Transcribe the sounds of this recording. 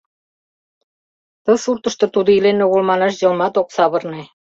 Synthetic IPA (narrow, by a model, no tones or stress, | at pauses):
t̪ɤ̆surt̪ɤ̆ʃt̪ɤ̆t̪ud̪ŏilenːoɣŏlmɑnɑʃʑɤ̆lmɑt̪oksɑβɤ̆rne